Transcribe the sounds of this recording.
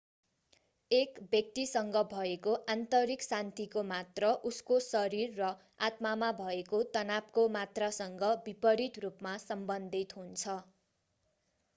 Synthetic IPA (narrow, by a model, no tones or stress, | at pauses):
ekbjʌk̚t̪isʌŋɡʌbʱʌekoʔant̪ʌɾiksant̪ikomat̪rʌʔuskosʌɾirːʌ | at̪mamabʱʌekot̪ʌnap̚komat̪rasʌŋɡʌbipʌɾit̪rupmasʌmbʌnd̪ʱit̪ɦunt͡sʰʌ